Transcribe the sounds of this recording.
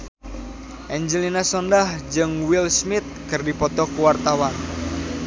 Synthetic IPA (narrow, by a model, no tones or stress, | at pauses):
ʔɛɲd͡ʒəlinasɔndahd͡ʒɨŋwilsmɪt̪̚kɨrdipɔt̪ɔkuwart̪awan